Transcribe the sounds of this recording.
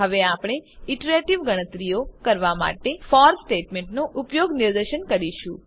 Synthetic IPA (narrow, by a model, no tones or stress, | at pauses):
ɦəʋeapɽ̃eiʈɾeʈiʋɡəɽ̃ət̪ɾijokəɾʋama̰ʈefɔɾsʈeʈmeɳʈnoʔupjoɡniɾd̪əʃənkəɾiʃũ